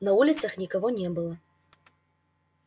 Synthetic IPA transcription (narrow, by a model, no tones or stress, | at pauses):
nɐvulʲit̪sɐxnʲikaɣɔnʲɛbɨlˠɐ